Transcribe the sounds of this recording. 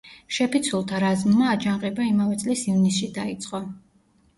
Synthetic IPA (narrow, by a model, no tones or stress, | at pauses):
ʃɛpit̪sʰulˠt̪ʰaɾazmːaːd͡ʒaŋqʼɛbaimavɛt̪sʼlisivnisʃid̪ait̪sʼqʼɔ